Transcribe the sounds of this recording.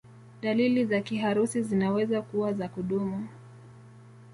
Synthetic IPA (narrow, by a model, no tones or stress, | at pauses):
ɗalilizakiɦaɾusizinawɛzakuwazakuɗumu